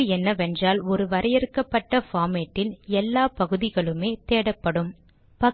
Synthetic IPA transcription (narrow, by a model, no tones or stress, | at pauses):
ɯɛnːɐʋɛndraːlɔɾɯʋɐɾʔɐjɛɾɯkːɐpːɐʈːɐfaːmeʈːɪlɛlːaːpɐɣɯðɪɣɐɭɯmeːt̪eːɽɐpːɐɽɯm | pɐ